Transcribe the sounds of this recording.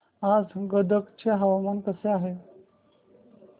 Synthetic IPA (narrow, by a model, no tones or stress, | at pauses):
ad͡zɡəd̪əkt͡ɕeɦaʋamankəseaɦe